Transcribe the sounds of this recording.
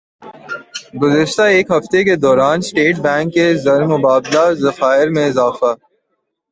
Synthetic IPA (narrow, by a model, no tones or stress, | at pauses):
ɡʊzəʃt̪aeːkɦɐft̪eked̪ɔːɾaːnsʈeːʈbɛ̃ːŋkːezɐɾmʊbaːblazɐfaːɪɾmẽɪzaːfa